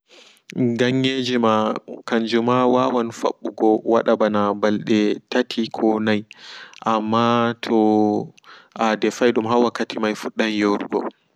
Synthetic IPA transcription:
ɡaɲːed͡ʒimakaɲd͡ʒumawawanfa̰ɓːuɡɔwa̰ɗabanabalɗɛtatʰikʰɔnajʔamːatʰɔ | ʔadɛfajɗumɦawakːatimajfuɗːajjoɾuɡɔ̰

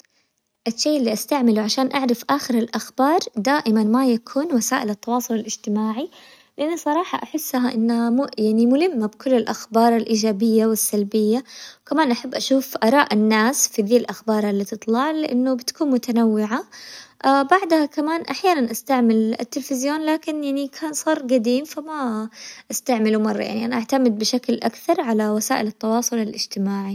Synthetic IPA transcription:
ʔɪʃːeːʔɪlːiʔast̪aʕmɪlwʕaʃaːnʔaʕɾˤɑfʔaːxɪɾɪlʔaxbɑːɾˤd̪aːʔɪmanmajakʰuːnwasaːʔɪlɪt̪ːɑwɑːsˤʊlɪlɪd͡ʒt̪ɪmaːʕi | lɪʔanːusˤɑɾˤɑːħɑ̰ʔaħɪsːɦaʔɪnːamjaʕnimʊhɪmːabkʊlːɪlʔaxbɑːɾˤɪlʔiːd͡ʒaːbɪjːawɪsːalbɪjːawkamaːnʔaħabːʔaʃuːfʔɑɾˤɑːʔɪnːaːsfiðiːlʔaxbɑːɾˤalːit̪ɨt̪ˤlɑʕlɪʔanːʊbɪt̪ḁkuːnmʊt̪anawːɪʕaʔabaʕd̪hakamaːnʔaħjaːnanʔast̪aʕmɪlɪ̰t̪ːɪlfɪzjoːnlaːkɪnjaʕnikʰaːnsˤɑːɾˤɡad̪iːmfamaʔast̪aʕmɪlumɑrˤːɑ̰ja̰ʕniʔanaʔaʕt̪amɪd̪̚bɪʃaklʔakθɑɾˤʕalawasaːʔɪlɪt̪ːɑwɑːsˤʊlɪlʔɪd͡ʒt̪ɪmaːʕi

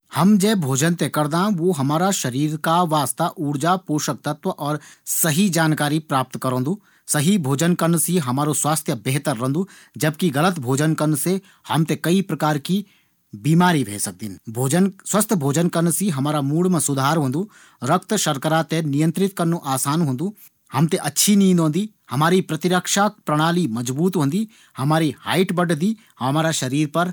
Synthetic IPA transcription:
hɐmd͡ʒɛːbʱoːd͡ʒənt̪ekɐɾd̪ãʋoɦɐmaːɾaʃɐɾiːɾkaʋaːst̪aʔuːɽd͡ʒapuːʃək̚t̪ɐt̪ʋəʔɔːɾsɐɦid͡ʒaːnkaːɾipɾaːp̚t̪kɐɾõːnd̪uː | sɐɦibʱoːd͡ʒənkɐɾnsiɦɐmaːɾoswaːst̪ʰjəbeɦt̪əɾːɐ̃nd̪uː | d͡ʒɐb̚kiɣɐlət̪bʱoːd͡ʒənkɐɾnse | hɐmt̪ekɐipɾɐkaːɾki | biːmaːɾibʱḛːsɐk̚d̪inbʱoːd͡ʒənswɐst̪ʰbʱoːd͡ʒənkɐɾnsiɦɐmaːɾamuːɭmẽsʊd̪ʱaːɾɦõːnd̪uː | ɾɐk̚t̪ʃɐɾkəɾat̪enijə̃nt̪ɾɪt̪kɐɾnuʔaːsaːnɦõːnd̪u | hɐmt̪eʔɐtːʃʰinĩːnd̪ɦõːnd̪iː | hɐmaːɾipɾɐt̪ɪɾəkʃaːpɾɐɽ̃aːlimɐd͡ʒbuːt̪ɦõːnd̪iː | hɐmaːɾiha̰ːɪʈbɐʈd̪iː | hɐmaːɾaʃɐɾiːɾpɐɾ

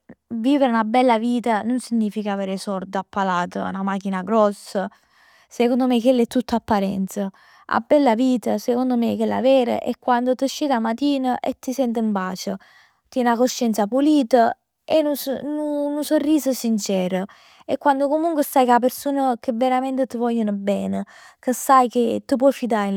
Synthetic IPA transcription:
viːveɾunabɛlːaviːt̪anonsiɲːiːfikaveːɾesɔrd̪apːalaːt̪ə̰ṵnamak̟inaɡɾɔsːa | sekond̪omekelːɛt̪ːut̪ːapːaɾɛ̰nt̪sa | a̰bɛlːaviːt̪asekond̪omekːelːa̰vɛːɾə̰ʔɛkːwand̪ot̪əʃːid̪amat̪iːnəʔet̪ːisɛnt̪əimbaːt͡ʃə | t̪jɛnakoʃːɛnt̪sapuliːt̪ə | ɛnununusorːiːsəsint͡ʃɛːɾə | ekːwand̪okomuŋkwesajkap̬eɾsuːnəkəvːeɾament̪ət̪əvɔʎːənobɛːnə | kəsajk̟et̪ːup̬wɔfid̪aɾ

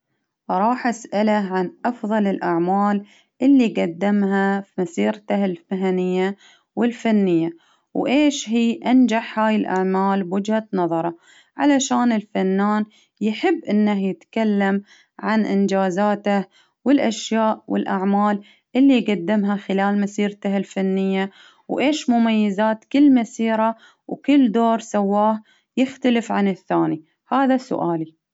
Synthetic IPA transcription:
ɾˤɑːħʔasʔalaʕanʔɑfðˤɑlɪlʔaʕmaːl | ʔɪlːiɡad̪ːɪmɦafimasiːɾt̪ahɪlfaɦanɪjːa | wɪlfanːɪjːa | wʔeːʃɦiːʔand͡ʒaħhaːjɪlʔa̰ʕmaːlbʊd͡ʒhanɑðˤɑɾˤɑ | ʕa̰laʃaːnɪlfanːaːn | jħɪbːʔɪnːahjɪt̪kalːam | ʕanʔɪnd͡ʒaːzaːt̪ah | wɪlʔaʃjaːʔwɪ̰lʔaʕmaːl | ʔɪlːiɡad̪ːɪmɦaxɪlaːlmasiːɾt̪ahɪlfanːɪjːa | wʔeːʃmʊmajːɪzaːt̪kɪlːmasiːɾa | wkɪlːd̪oːɾˤsawːaːh | jɪxt̪alɪfʕanɪθːaːni | haːðasʊ̰ʔaːli

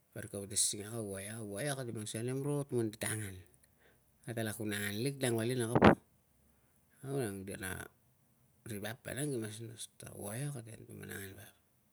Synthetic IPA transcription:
paɾikaβatesiŋakawajawajokatimaŋsanemɾotmunditaŋan | atalakunaŋanlikdaŋbalinakap | awnaŋdia̰na̰ | ribapːa̰naŋɡimas̬nasta̰wajokatentṵma̰na̰ŋanbap

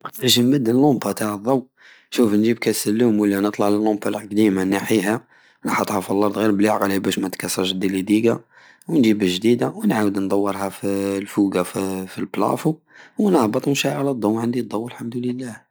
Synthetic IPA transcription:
ɾʒimbəd̪ːəlːombɑt̪aʕd̪ˤɑw | ʃufnʒib̚kæsəlːumwəlːinət̪ˤlɑʕləlːombɑlqd̪imanaħiɦæ | nħɑt̪ˤhɑfilːɑɾˤd̪ɣiɾbliʕɣlibæʃmæt̪kɑsːɑʃd̪ilid̪iɡa | wənʒibəʒd̪id̪awənʕawəd̪nd̪ˤɑwːəɾˤɦæfilfuɡaffilblæ̰fu | wnəhbət̪ˤnʃæʕlæd̪ˤːɑwʕənd̪id̪ˤːɑwːəlħamd̪uləlːæh

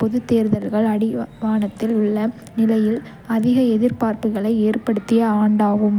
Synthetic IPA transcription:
pɔðɯt̪ːeːɾðɐɾɣɐɭɐɽɪʋaːnɐt̪ːɪlʊɭːɐ | nɪlɐjɪl | ɐðɪɣɐɛðɪɾpaːɾpɯɣɐɭɐɪeːrpɐɽɯt̪ːɪjɐaːɳɖaːɣɯm

